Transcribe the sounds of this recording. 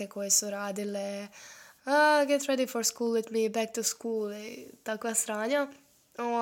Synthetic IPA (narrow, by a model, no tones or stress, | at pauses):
ekojesuɾaːd̪ile | əɡɛt̪ɾɛd̪ifoɾskuːlˠwɪt̪mibɛk̚t̪uskuːlˠit̪akʋasɾaːɲa | o